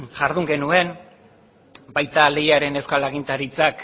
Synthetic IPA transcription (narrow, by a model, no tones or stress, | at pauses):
ʝaɾðuŋɡe̞nue̞n | bajt̪ale̞jaɾe̞ne̞wskalaɣ̞int̪aɾit͡sak